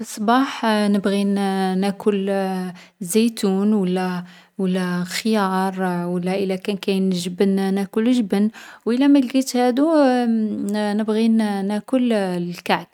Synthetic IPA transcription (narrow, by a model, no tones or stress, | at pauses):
bəsˤːbɑħnəbɣinækʰʊl | zæjt̪unwəlːæ | wəlːæxəjɑɾˤwəlːæʔəlækænkæjnʒəbənnækʊləʒəbənwʔəlːæmæɡɡit̪hæd̪u | nəbɣinækʊllkaʕk̪